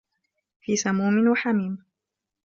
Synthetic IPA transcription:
fiːsamuːmɪnwaħamiːm

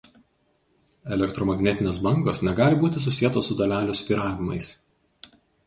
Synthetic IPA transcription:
ɛlʲɛkt̪ɾɔmɐɡʲnʲɛt̪ʲɪnʲeːsbɐŋɡosnʲɛɡɑːlʲɪbuːt̪ʲɪs̬ʊsʲijɛt̪oːssːʊd̪ɐlʲæːlʲʊsʲpʲiːɾɑːʋʲɪmɐ̰ɪs

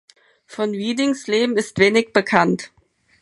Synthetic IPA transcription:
fɔnviːdɪŋsleːbm̩ɪstv̥eːnɪçb̥əkʰant

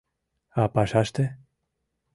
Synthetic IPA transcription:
apaʃaʃt̪e

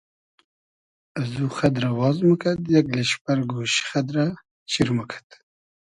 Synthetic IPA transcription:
azuxad̪ɾawɑːzməkʰat̪jakleʃpaɾɡoːʃxad̪ɾa | t͡ʃiɾməkʰḁt̪

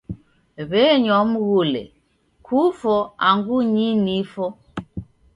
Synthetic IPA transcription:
βɛɲɔm̩ɣulɛ̰ | kʰufɔaŋɡuɲinifɔ

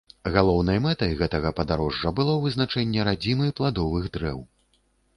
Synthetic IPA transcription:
ɣalˠɔwnɐjmɛt̪ɐjɣɛt̪ɐɣɐpɐd̪aɾɔʐːɐbɨlˠɔwvɨznat͡ʂɛnʲːɛɾad͡zʲimɨjplˠad̪ɔvɨɣd̪ɾɛ̰w

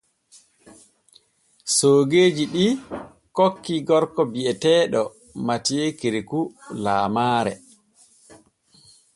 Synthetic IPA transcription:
soːɡeːd͡ʒiɗi | kokːiɡɔɾkɔbiɛtɛːɗɔ | matiekeɾikulaːmaːɾɛ̰

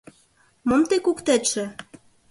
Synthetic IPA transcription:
momt̪ekukt̪eʃĕ

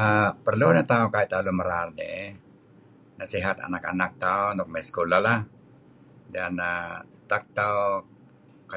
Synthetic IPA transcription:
əpərlunat̪aukait̪aluməɾarnḛ | nasiɦat̪a̰naka̰nak̚t̪aunɔk̚mɛskulalah | danait̪ak̚t̪au | ka

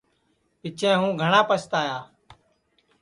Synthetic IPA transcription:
pɪt͡ʃʰẽːɦũːɡʱəɳãːpəst̪aːjaː

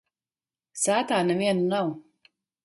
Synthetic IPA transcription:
saːt̪aːnɛviɛnunaw

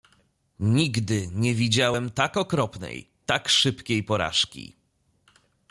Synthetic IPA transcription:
ɲiɡd̪ɘɲɛvʲid͡ʑawɛmt̪akɔkɾɔpnɛ̰j | t̪akʂɘpkʲejpɔɾa̰ʂkʲḭ

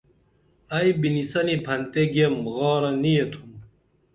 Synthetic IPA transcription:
ɐjbinisɐnipʰɐnt̪eɡemɣɑːɾɐnijet̪ʰum

